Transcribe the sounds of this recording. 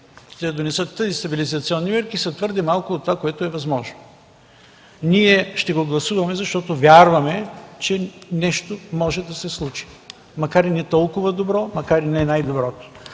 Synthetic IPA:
ʃt̪ɛd̪onɛsət̪ːəzist̪ɐbilizɐt̪siɔnːimɛɾkisɐt̪vɤɾd̪ɛmalˠkʊːt̪ːovakoɛt̪oɛvɐzmɔʒno | niɛʃt̪ɛɡoɡlˠɐsuvɐmɛzɐʃt̪ɔt̪ovʲjaɾvɐmɛt͡ʃɛnɛʃt̪omɔʒɛd̪ɐsɛslˠut͡ʃi̥ | mɐkaɾinɛt̪ɔlˠkʊvɐd̪obɾɔmɐkaɾinɛnajd̪obɾɔt̪o̥

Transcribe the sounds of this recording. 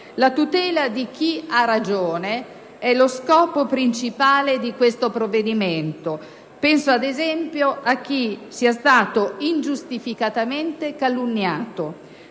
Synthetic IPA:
lat̪ut̪ɛːlad̪ik̟iarad͡ʒoːne | ɛloskɔːpopɾint͡ʃipaːled̪ikwest̪opɾovːed̪imɛnt̪o | pɛnsoad̪ezɛmpjoʔak̟ːisiast̪aːt̪oind͡ʒust̪ifikat̪ament̪ekalunːjaːt̪o

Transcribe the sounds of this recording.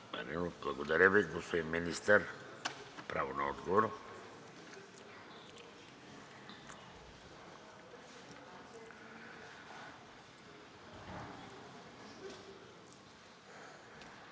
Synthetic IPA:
ma̰ɾinoblˠɐɡod̪aɾʲəviɡost̪oiminist̪əɾ | pɾavonaɔd̪ɡovoɾo

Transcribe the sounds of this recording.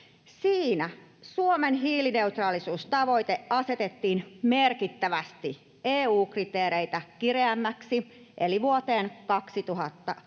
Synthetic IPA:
siːnæsuomenɦiːline̞ut̪rɑːlisuːst̪ɑʋo̞it̪eʔɑse̞t̪et̪ːiːnmerkit̪ːæʋæst̪i | eːuːkrit̪eːɾeit̪ækireæmːæksi | ʔeliʋuot̪eːnkɑksit̪uɦɑt̪ːɑ

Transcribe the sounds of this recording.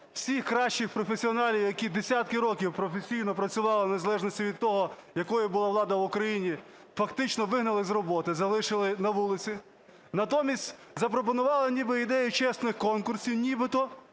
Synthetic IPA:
w̥sʲixkɾɑʃt͡ʃɪxpɾɔfesʲiɔnɑlʲiwjɐkʲid̪esʲat̪̚kɪɾɔkʲiwpɾɔfesʲijnɔpɾɐt͡sʲʊʋɑlˠɪnezɐlˠɛʒnɔsʲtʲiʋʲid̪̚t̪ɔɦɔjɐkɔjʊbʊlˠɑʋlˠɑd̪ɐʋʊkɾɐjinʲi | fɐkt̪ɪt͡ʃnɔʋɪɦnɐlˠɪzrɔbɔt̪ɪzɐlˠɪʃɪlˠɪnɐʋulˠɪt͡sʲi | nɐt̪ɔmʲisʲtʲ | zɐp̬ɾɔp̬ɔnʊʋɑlˠɪnʲibɪid̪ɛjʊt͡ʃɛsnɪxkɔnkʊrsʲiwnʲibɪt̪ɔ

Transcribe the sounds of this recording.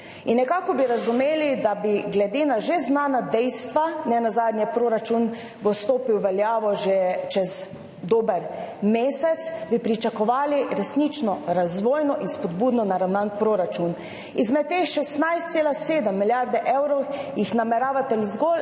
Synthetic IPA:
inːɛkaːkɔbiɾazumeːlid̪abiɡlɛd̪eːnaʒeznaːnad̪ɛjst̪ʋanɛnazaːd̪njɛpɾoːɾat͡ʃun | bost̪oːpiwʋɛljaːʋɔʒet͡ʃɛz | d̪oːbɛɾmeːsɛt̪sbipɾit͡ʃakɔʋaːliɾɛsnit͡ʃnɔɾazʋoːjnɔʔinspɔd̪̚buːd̪nɔnaɾawnanpɾoːɾat͡ʃun | izmɛt̪̚ːexʃɛst̪najst̪seːlaseːd̪əmːiljaɾd̪ɛʔɛwɾɔwjixnamɛɾaːʋat̪ɛlzɡol

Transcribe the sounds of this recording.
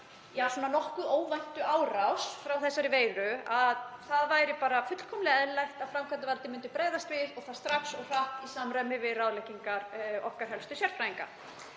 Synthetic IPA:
jɛhasuɔnanɔhkʏoːwvajn̥t̪ʏaːwrawsfɾawθɛsːaɾɪveːjðɾʏaðθaðvaːjɾɪpaːɾafʏt̪l̥kʰɔmlɛɛðlajht̪aðfɾamkʰanavalt̪ɪmʏnt̪ʏpɾeːjðast̪vɪðɔɣθaðst̪ɾaksɔɣr̥aht̪isaːmɾamɪvɪðraːwðlɛcːiŋkaɾɔ̰hkaɾɦɛlst̪ʏsjɛɾ̥pɾajiŋka̰

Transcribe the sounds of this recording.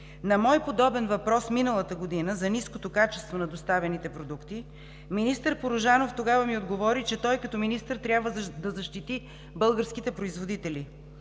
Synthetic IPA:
nɐmɔjpod̪ɔbɛnvɐpɾɔsminəlˠət̪əɡod̪inəzɐniskot̪okat͡ʃɛ̥st̪vonɐd̪ost̪avɛnit̪ɛpɾod̪ukt̪i | minist̪əɾpoɾʊʒanoft̪oɡavəmiod̪ɡovɔɾit͡ʃɛt̪ɔjkɐt̪ɔminist̪əɾt̪ɾʲabvəd̪ɐzɐʃt̪it̪i | bɤlˠɡəɾsk̟it̪ɛpɾoizvod̪it̪ɛlʲi

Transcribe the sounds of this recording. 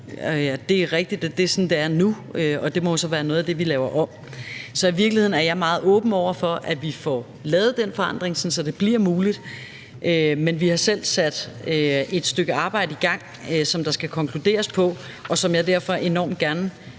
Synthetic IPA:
d̥e̝æʁɛɡ̥̚d̥id̥d̥e̝sɔ̽nd̥eæɐnu | øɒ̽d̥e̝mɒjo̝sɒ̽ʋæːɐnɔ̽ːð̩ˠæd̥e̝ʋilɛːʊɐʔɒ̽m̰ | sɒ̽iʋiɐɡ̥lihe̝ðˠn̩æɐjɑ̈ɪmɑ̈ːð̩ˠɔ̽ːb̥n̩ɒʊ̰ɐfɒ̽ʔæʋifɒ | lɛːʊð̞̩ˠd̥enfɒ̽ɑ̈n̰d̥ʁeŋsɒ̽nsɒ̽d̥e̝b̥liɐ̰muːlid̥ | ʔømenʋihɑ̈sel̰sæd̥øe̝d̥sd̥øɡ̥əɑ̈ːb̥ɑ̈ɪ̰dəiɡ̥ɑ̈ŋ̰ | sɒ̽md̥ɑ̈sɡ̥ækʰɒ̽ŋkʰlud̥e̝̰ːɐspʰɒ̽ | ʔɒ̽sɒ̽mjɑ̈ɪd̥æɐfɒ̽ʔe̝nɒ̰ːmd̥̚ɡ̥æɐn

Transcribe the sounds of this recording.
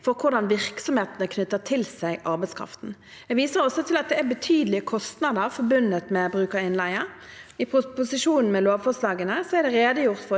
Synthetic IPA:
fɔɾkʰʊʁɖ̪ɑnʋɪʁksɔmheːt̪nəkʰnʏt̪ːət̪ʰɪlsæɪʔɑʁbɛɪskʰʁɑ̰ft̪n̩ | ɛʋiːsəɾɔsːɔt̪ʰɪlɑt̪̚d̪ɛæɾbət̪ʰyːd̪əl̩ɪəkʰɔst̪nɑd̪əɾfɔɾbʉnət̪mɛbɾʉːkəɾɪnlæɪə | ɪppʊsɪʃuːnn̩mɛloːʋfɔslɑːɡənəsɔæɾdɛɾeːd̪əjʊʁt̪fɔ

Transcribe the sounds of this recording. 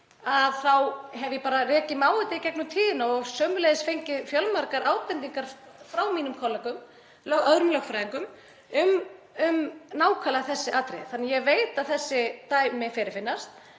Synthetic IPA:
aðθawɦɛvjɛpaːɾarɛːcɪmaːwɪt̪ɪicɛk̚nʏmt̪ʰiːðɪnaɔɣsœːmʏlejðɪsfejɲcɪðfjœlmaɾkaɾʔaːwt̪ɛnt̪̬iŋkaɾ̥ | fɾawmiːnʏmkʰɔlːɛkʏm | lœðɾʏmlœɣfɾajiŋkʏm | ʏm | ʏmnaːwkʰaːlaθɛsːɪʔaːt̪ɾḛθanːajɛɣvejt̪aðθɛsːɪt̪aːjmɪfɪɾɪɾfɪnːast̪

